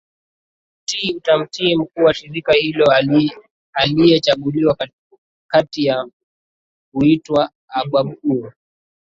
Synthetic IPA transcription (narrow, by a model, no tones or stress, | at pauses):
m̩tiutam̩tiɛm̩kuːwaʃiɾikahilɔ | alijɛt͡ʃaɠuliwa | katija | kuitwaː | ɓwam̩kuɔ